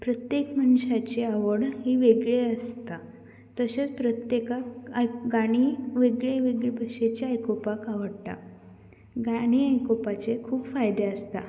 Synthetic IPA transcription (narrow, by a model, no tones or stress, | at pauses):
pɾət̪jekmənɕat͡ɕeaʋəɽɦiːʋeɡɭeəst̪a | t̪əɕet͡spɾət̪jekajɡaɽ̃iʋeɡɭeʋeɡɭbʱəʂet͡ɕeajkopakaʋəɽt̪a̰ | ɡaɽ̃iːajkopat͡sekʰuːpfajd̪eəst̪a̰